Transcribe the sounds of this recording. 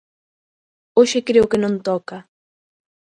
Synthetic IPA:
oʃɪkɾewkɪnõnt̪ɔka

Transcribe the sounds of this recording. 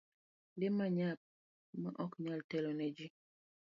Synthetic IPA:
demaɲap̚ | məʔɔkɲaltɛlɔnɛd͡ʒi

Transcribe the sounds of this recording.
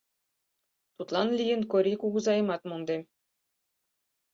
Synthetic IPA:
t̪ut̪lˠɑnlʲijɘ̆nkoɾʲikuɡuzɑjɤ̆mɑt̪mond̪e

